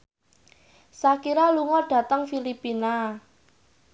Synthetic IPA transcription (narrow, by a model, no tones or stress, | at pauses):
sakiɾaluŋɔɖ̥ä̤t̪əŋfilipina